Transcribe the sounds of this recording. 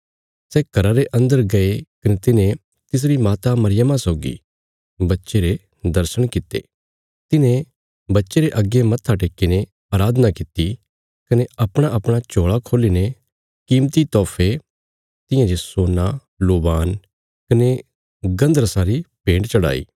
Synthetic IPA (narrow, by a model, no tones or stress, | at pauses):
sɛːkɐɾaɾeʔɐ̃nd̪əɾɡɐekɐnet̪ɪnẽ | t̪ɪs̬ɾimaːt̪amɐɾɪjəmãsɔːɡḭ | bɐtːʃeɾe | d̪ɐɾsəɽ̃kɪt̪ːḛː | t̪ɪnẽ | bɐtːʃeɾeʔɐɡemɐt̪ʰːaʈ̬eːkːine | aːɾaːd̪ənakɪt̪i | kɐneɐpɽ̃aʔɐpɽ̃at͡ʃoːɭakʰoːline | kiːmt̪it̪ɔːpʰe | t̪ɪ̃jãd͡ʒesoːna | loːbaːn | kɐne | ɡɐ̃nd̪əɾəsaɾipẽːɳɖt͡ʃɐɽa̰ːḭː